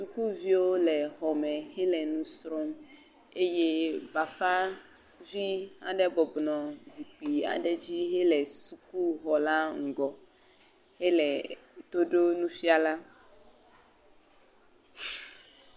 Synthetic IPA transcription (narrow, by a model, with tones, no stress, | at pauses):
su˨ku˦vi˦wo˦lɛ˨xɔ˨mɛ̃˨hɛ˦lɛ˨nũ˦sɾɔ˦m | e˦je˦ba˨fa˦ | vi˦a̰˨ɖɛ˦bɔ˨bnɔ̃˨zi˨k͡pi˨a̰˨ɖɛ˦d͡ʑi˦ɦe˦lɛ˨su˨ku˦ɦɔ˨la˦ŋ̩˨ɡɔ˨ | he˦lɛ˨t̪o˦ɖo˦nũ˦fi˦a˨la˦